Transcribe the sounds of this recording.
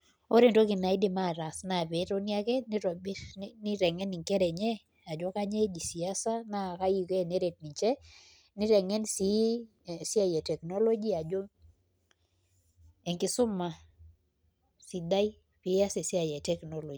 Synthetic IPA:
o˦ɾe˨ndo˦ɡɪ˨na˨ɪ˦dɪ˨ma˦˨ɾa˨sna˨be˨˦ɾo˦nja˦kɛ˦ni˦ɾbnɪ˦ɾɛ˨ŋɛ˦ni˨ŋkɛ˦ɾɛ˨ɲɛ˦ | a˨d͡ʒɔ˦ka˦ɲe˦d͡ʒi˨si˨a˦sa˦na˦˨ka˦ji˦ke˦˨ne˦ɾe˨t̚ni˨t͡ʃɛ˦ | nɪ˦ɾɛ˨ŋɛ˦nsi˦˨ | sɪ˦a˦˨jɛ˨tɛ˨kno˦lo˦d͡ʒi˦a˨d͡ʒo˦ | e˨ŋkɪ˨˦sʊ˦ma˨ | si˨d̪a˦i˦ | pɪ˨˦a˦se˨sɪ˦a˨jɛ˨tɛ˦kno˦lo˨d͡ʒi˨

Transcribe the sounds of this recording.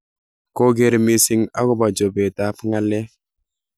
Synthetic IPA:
ko˦ɡe˨ɾmi˦si˦ŋa˦kɔ˦ba˨d͡ʒo˨bɛ˨ta˨pŋa˦lɛ˦

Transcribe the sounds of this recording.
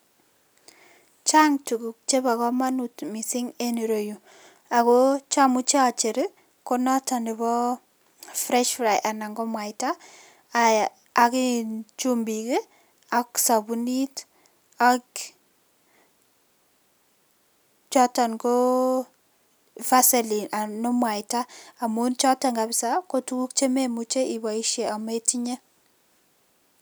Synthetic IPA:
t͡ʃaŋtuɡu˨k̚t͡ʃe˦ba˨kɔ˦ma˦nutmi˨sɪ˦ŋe˦ni˨ɾo˨ju˨ | a˨kot͡ʃa˦mut͡ʃe˦a˨t͡ʃe˨ɾɪ | kɔnɔ˦ta˨nɪ˨βɔ˦ | fɾɛ˦ʃfɾa˨jʔa˨na˨ŋɡɔ˦mwa˨jta˦ | akit͡ʃumbi˨ke˦ | aksa˨buni˦t | a˨k | t͡ʃɔ˦ta˨nɡo˦ | fa˦sɛ˨li˨nʔa˨nɔ˦mwa˨ɪtaː˦˨mu˦nt͡ʃɔ˦ta˨ŋɡa˨bɪsa˦ko˦tu˦ku˦k̚t͡ʃe˦me˦mut͡ʃe˦ʔi˨ba˨i˦ʃje˨ʔa˨me˦ti˦ɲe˦

